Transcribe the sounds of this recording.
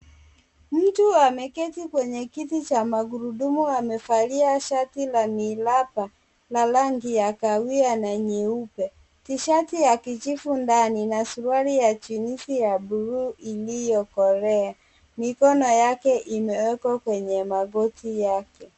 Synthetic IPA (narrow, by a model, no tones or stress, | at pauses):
m̩tuamɛkɛtikwɛɲɛkitit͡ʃamaɡuɾudumuamɛfaliaʃatilamilapa | lalaŋɡijakawianaɲɛupɛ | tiʃatijakit͡ʃifundaninasuwaɾijat͡ʃinisijabuɾuːʔilijɔkɔɾɛa | mikɔnɔjakɛʔimɛwɛkɔkwɛɲɛmaɡɔtijakɛ